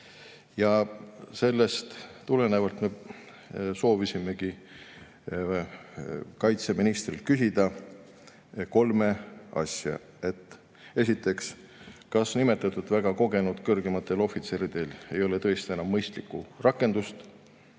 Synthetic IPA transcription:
jɑse̞lːe̞st̪t̪ːule̞nevɑlt̪me̞ | so̞ːvisime̞ki | kɑjt̪se̞minist̪rilkysʲid̪̥ɑ | ko̞lme̞ɑ̰sʲjɑ̰ | e̞t̪ːˑ | e̞s̬ʲit̪ːˑe̞ks | kɑsnime̞t̪ːˑɑt̪ːˑud̪væɡ̥ɑko̞ɡe̞nud̪̥kɤrɡemɑt̪ːˑe̞lo̞fit̪seɾid̪̥e̞le̞jo̞let̪ɤ̞est̪ie̞nɑmːɤjst̪likːurɑkːˑe̞nd̪̥ust̪

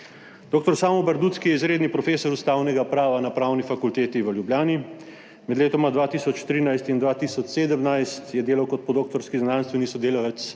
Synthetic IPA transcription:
d̪oːkt̪ɔɾsaːmɔbɐɾd̪ut̪skijɛizɾeːd̪nipɾɔfeːsɔɾust̪aːwnɛɡapɾaːʋanapɾaːwnifakult̪eːt̪iʋəljubljaːni | mɛd̪leːt̪ɔmad̪ʋaːt̪iːsɔt͡ʃt̪ɾiːnajst̪ind̪ʋaːt̪isɔt͡ʃseːd̪əmnajst̪jɛd̪eːlawkɔt̪̚pɔd̪oːk̚t̪ɔɾskiznaːnst̪ʋɛnisɔd̪eːlɔʋɛt̪s

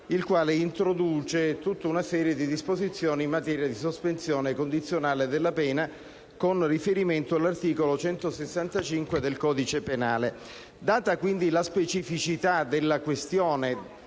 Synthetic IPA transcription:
ilkwaːleint̪ɾod̪uːt͡ʃet̪ut̪ːaunasɛːɾjed̪id̪ispozit̪sːjɔːnimːat̪ɛːɾjad̪isospensjɔːnekond̪it̪sːjonaːled̪elːapɛːna | konrifeɾiment̪oalːart̪iːkolot͡ʃɛnt̪osesːant̪at͡ʃiŋkwed̪elkɔːd̪it͡ʃepenaːle | d̪aːt̪akwind̪ilaspet͡ʃifit͡ʃit̪ad̪elːakwest̪jɔːne

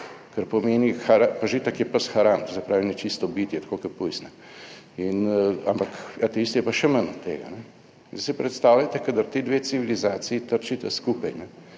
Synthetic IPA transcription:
kɐɾpɔmeːnixaɾapaʒit̪ɐkjɛpəsxaɾant̪zɛpɾaːʋinɛt͡ʃist̪ɔbit̪jɛt̪ḁkoːkɐpujsnɛ | ina̰mpakat̪ɛiːst̪jɛpaʃɛmənɔt̪ːḛːɡa̰nɛ | d̪sipɾɛt̪st̪aːwlat̪ɛkad̪aɾt̪eːd̪ʋeːt̪siʋilizaːt̪siit̪əɾt͡ʃit̪ɛskuːpɐjnɛ

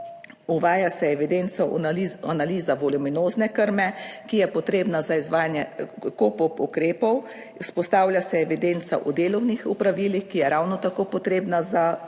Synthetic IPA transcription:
uʋaːjasɛɛʋid̪ent̪sɔianaliːzaʋɔluminoːznɛkəɾmɛkijɛpɔt̪ɾeːbnazaizʋaːjanjɛkoːpɔpukɾeːpɔw | spɔst̪aːwlʲjasɛɛʋid̪eːnt̪sa̰ʔud̪eːlɔwnixupɾaʋiːlixkijɛɾawnɔt̪akoːpɔt̪ɾeːbnaza

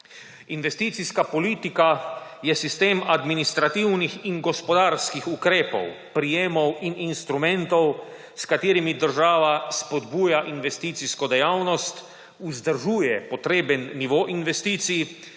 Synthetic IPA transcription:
inʋɛst̪iːt̪siskapɔliːt̪ikajɛsist̪eːmad̪minist̪ɾat̪iwnixiŋɡɔspɔd̪aːɾskixukɾeːpɔ̰wpɾijeːmɔwininst̪ɾumɛ̃nt̪ɔw | skat̪iːɾimid̪əɾʒaːʋaspɔd̪buːjaʔinʋɛst̪iːt̪siskɔd̪ɛjawnɔst̪ | uzd̪əɾʒuːjɛpɔt̪ɾeːbənːiʋoːʔinʋɛst̪iːt̪sij

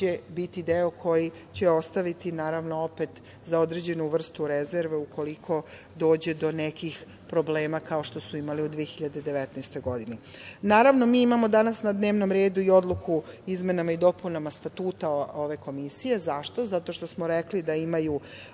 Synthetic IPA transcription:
t͡ɕebit̪id̪eokʰo̞ji | t͡ɕe̞o̞st̪aʋit̪inaːɾaʋno̞opet̪ | zaod̪ɾed͡ʑe̞nuʋr̩st̪uɾezeɾʋe̞ukʰo̞likʰo̞ | d̪o̞ːd͡ʑe̞d̪o̞nekix | pɾo̞bleːmakao̞ʃt̪o̞suimaliud̪ʋijexiʎad̪e̞d̪e̞ʋet̪nast̪o̞jɡo̞d̪ininaːɾaʋno̞miːimamo̞d̪anasnad̪ne̞ːʋno̞mɾe̞ːd̪uio̞d̪lˠukuizme̞namaid̪o̞punamast̪at̪uːt̪aoʋe̞ko̞misije̞zaʃt̪o̞zat̪o̞ʃt̪o̞smoɾeklid̪aimaju

